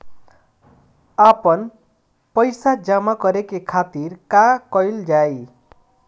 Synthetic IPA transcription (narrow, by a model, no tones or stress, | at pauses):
apʌn | pʌjsad͡zamakʌɾekekʰat̪irkakʌjld͡zaj